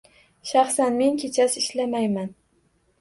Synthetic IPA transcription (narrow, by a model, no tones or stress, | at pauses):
ʃɑχsanme̞ŋkʲʰet͡ʃʰasɪʃlamajman